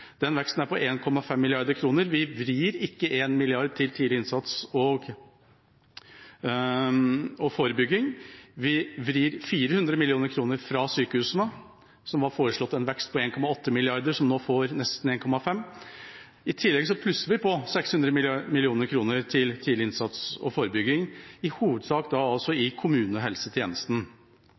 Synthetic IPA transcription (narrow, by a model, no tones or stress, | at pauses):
d̪̥ɛnʋɛkst̪n̩æɾpɔʔeːnkʰɔmːɑfɛmːɪlɪɑɾd̪əɾkʰɾuːnəɾʋɪʋɾiːɾɪkːəʔeːnmɪlɪɑɾd̪̚t̪ʰɪlt̪ʰiːd̪ɪɪnsɑt̪sɔɡ | ɔfoːɾəbʏɡːɪŋʋɪʋɾiːɾfiːɾəhʉnd̪ɾəmɪlɪuːnəɾkʰɾuːnəɾfɾɑsyːkəhʉːsnə | sɔmʋɑɾfoːɾəʂlɔt̪ːɛnʋɛkst̪̚pʰɔeːnkʰɔmɑɔt̪ʰːəmɪlɪɑɾd̪əʂɔmnoːfoːɾnɛst̪n̩eːnkʰɔmɑfɛmː | ɪt̪ʰɪlːɛɡsɔpʰlʉsːəɾʋɪpʰɔsɛkshʉnd̪ɾəmɪlɪuːnəɾkʰɾuːnəɾt̪ʰɪlt̪ʰilɪnsɑt̪sɔ̰foːɾəbʏɡɪŋɪhuːʋəd̪sɑːkd̪ɑɑlsɔɪkʰʊmʉːnəɦɛlsət̪ʰjeːnəst̪n̩